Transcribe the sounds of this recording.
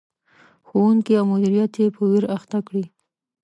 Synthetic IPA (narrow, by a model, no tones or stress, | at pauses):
xowuŋkiawmʊd̪iɾijat̪jepʰəwiɾaxt̪akɽi